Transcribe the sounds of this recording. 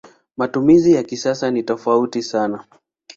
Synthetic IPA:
matumizijakisasanitɔfautisana

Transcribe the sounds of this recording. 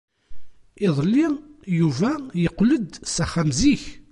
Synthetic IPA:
iðˤlːijuvæjəqːləd̪sæχæmziç

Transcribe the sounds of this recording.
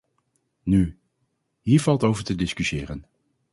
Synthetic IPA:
ny | ɦiːɹv̥ɑlˠtowvəɹtədɪskysɪːrən

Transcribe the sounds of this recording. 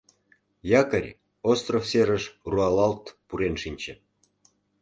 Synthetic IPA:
jɑkəɾʲ | ost̪rofseɾəʃruɑlɑlt̪puɾenʃinʲt͡ɕĕ

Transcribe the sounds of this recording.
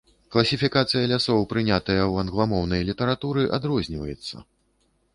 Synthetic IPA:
klˠɐsʲifʲikat̪sɨjɐlʲasɔwpɾɨnʲat̪ɐjɐwɐnɣlˠamɔwnɐjlʲit̪ɐɾat̪uɾɨʔad̪ɾɔzʲnʲivɐjɛt̪sːɐ̰

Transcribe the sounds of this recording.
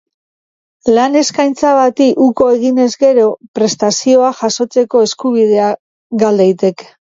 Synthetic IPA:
lane̞skajnt͡saβat̪iʔuko̞e̞ɣine̞zɡe̞ɾo̞pɾe̞st̪asio̞aʝaso̞t͡se̞ko̞e̞skuβ̞ið̞e̞a | ɡald̪ejt̪e̞k

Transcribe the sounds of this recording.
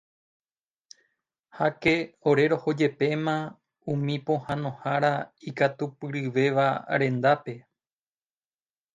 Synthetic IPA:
hake̞o̞ɾe̞ɾo̞ho̞d͡ʒe̞pe̞mã | ũmĩpõ̞hãnõ̞haɾaikat̪upɨɾɨʋe̞ʋaɾẽ̞nd̪ape̞

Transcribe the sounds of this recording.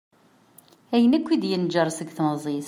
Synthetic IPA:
æjənækʷːid̪jənd͡ʒəɾˤsəɡθməzˤiθ

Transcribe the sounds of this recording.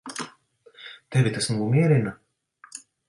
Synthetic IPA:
t̪ɛvʲit̪asnuumʲiɛɾina

